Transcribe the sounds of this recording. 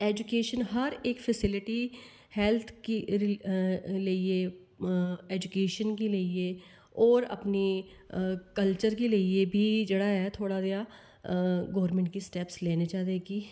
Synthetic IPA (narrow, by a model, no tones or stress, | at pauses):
ɛːd͡ʒʊkeːʃənɦəɾekpʰəsɪlɪʈiː | hɛːlt̪ʰki | ləieː | ɛːd͡ʒukeːʃənkeləieː | ɔːɾə̰pniː | kəlt͡ʃəɾkeːləieːbʱiːd͡ʒeːɽaːɦɛːt̪ʰoːɽaːd̪jaː | ɡɔːɾmɛ̃ːɳʈ̚ɡiːsʈɛːpsleːned͡ʒaːɾeːɡiː